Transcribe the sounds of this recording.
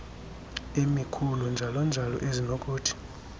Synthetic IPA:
emikʰulund͡ʒʱalɔnd͡ʒʱalɔ̰ʔezinokʼuːtʰi̥

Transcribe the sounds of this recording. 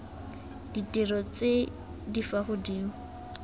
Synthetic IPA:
d̥itʼirɔt͡se | difaχʊdiːŋ̩

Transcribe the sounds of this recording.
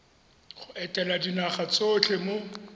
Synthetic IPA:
χʊɛtʼɛladinaχat͡sʼot͡ɬʰemo

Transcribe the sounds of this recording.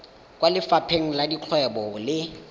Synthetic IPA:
kwalɪfapʰeŋ̩ladiq͡χʰwɛbɔlɪ

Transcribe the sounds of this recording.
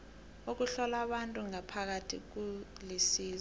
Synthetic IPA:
ok̬uɬɔlaɓantʼuŋapʰak̬atʰḭk̬ulisiːz

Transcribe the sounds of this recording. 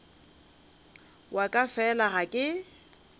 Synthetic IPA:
wʔakʼafɛlaɣakʼɪ

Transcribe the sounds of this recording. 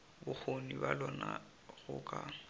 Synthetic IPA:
bʊk͡xʰonibalɔna | ɣʊkʼa

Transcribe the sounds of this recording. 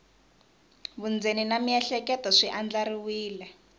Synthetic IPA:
βund͡zeninamiɛɬɛkɛtɔʂiʔand͡ɮaɾiwiːlɛ

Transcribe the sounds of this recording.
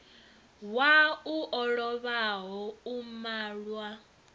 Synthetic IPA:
wauʔɔɺɔβaɦɔumaːɺwa

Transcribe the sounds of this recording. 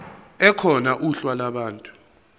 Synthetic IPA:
ɛkʰɔnaʔuɬwalaɓaːntʼu̥

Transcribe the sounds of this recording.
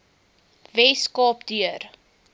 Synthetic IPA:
vɛskɑːp̚dyər

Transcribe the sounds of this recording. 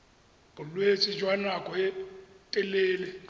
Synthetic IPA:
bʊlwet͡sʼɪd͡ʒwanakʼɔɛtʼɛleːlɛ

